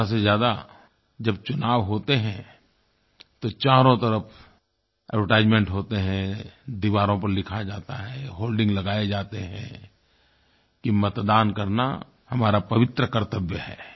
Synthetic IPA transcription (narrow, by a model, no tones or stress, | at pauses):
as̬ezjaːd̪a | d͡ʒɐb̚t͡ʃʊnaːʋɦoːt̪eɦɛ̃ | t̪ot͡ʃaːɾõt̪ɐɾəpʰ | ɛ̰əɾʈaːɪd͡ʒmẽɳʈɦoːt̪eɦɛ̃d̪iʋaːɾõpɐɾlɪkʰad͡ʒaːt̪aɦɛɦoːlɖɪ̃ŋɡlɐɡaːed͡ʒaːt̪eɦɛ̃ | kimɐt̪d̪aːnkɐɾna̰ | hɐmaːɾapɐʋɪt̪ɾəkɐɾt̪əbjəɦɛː